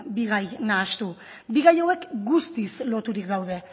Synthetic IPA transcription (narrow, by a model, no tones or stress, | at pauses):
biɣ̞ajnaːst̪u | biɣajowe̞kɡust̪islo̞t̪uɾikɡ̪awðe̞